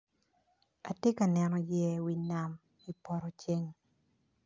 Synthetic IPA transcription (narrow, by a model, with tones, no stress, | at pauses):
a˨te˦ka˨nɛ˨nɔ˨jɛ˦wi˨na˨m | i˨pɔ˨ɾɔ˨t͡ʃe˦ŋ